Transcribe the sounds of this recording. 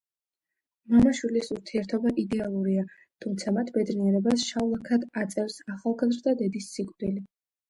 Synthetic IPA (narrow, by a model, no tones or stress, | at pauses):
mɔnaʃwilisuɾt̪ʰiɛɾt̪ʰɔbaʔid̪ɛalˠuɾia | t̪ʰumt̪sʰamat̪ʰbɛd̪niɛɾɛbasʃaulˠakʰad̪at̪sʼɛvsaχalˠɡazɾd̪ad̪ɛd̪isːikʼvd̪ili